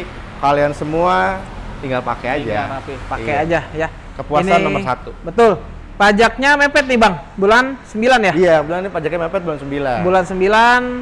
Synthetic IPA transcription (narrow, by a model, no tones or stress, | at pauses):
kaliansəmua | t̪iŋɡalpa̰kead͡ʒaapipakkead͡ʒaja | kəpuasnanːoməsat̪ubət̪ʊl | pad͡ʒak̚ɲamepɛt̪̚nɪbaŋ | bulansəmbilanjaijabəduanipad͡ʒak̚ɲamepɛt̪̚bulansəmbilanbulansəmbilan